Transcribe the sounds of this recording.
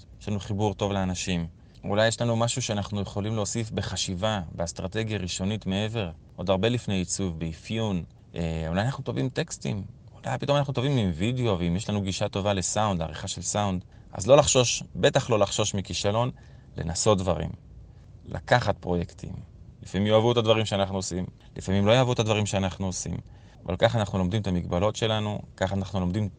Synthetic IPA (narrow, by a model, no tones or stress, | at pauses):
jeʃlanuχibuʁt̪o̞vleanaʃim | ṵlajeʃlanumaʃuʃeanaχnujeχo̞limleo̞sifbe̞χaʃivabest̪ʁat̪e̞ɡjaʁiʃo̞nitme̞eve̞ʁ | ʔo̞d̪aʁbe̞lifne̞jit͡suvbeifjun | ʔeulajanaχnut̪o̞vimt̪e̞kst̪ḭm | ula̰jpito̞manaχnut̪o̞vimimvideo̞veimjeʃlanuɡiʃat̪o̞vale̞saundlea̰ʁiχaʃe̞lsaund̪ | ʔa̰zlo̞laχʃo̞ʃbe̞t̪aχlo̞laχʃo̞ʃmikiʃalo̞n | lḛnaso̞t̚d̪vaʁḭm | la̰kaχat̪̚pʁo̞jekt̪ʰḭmlifamimjoavut̪advaʁimʃeanaχnuosim | lifamimlo̞joːvut̪ad̪vaʁimʃeanaχnuosḭm | ava̰lkaχanaχnulo̞md̪imt̪amiɡbalo̞tʃe̞lanukaχanaχnulo̞md̪im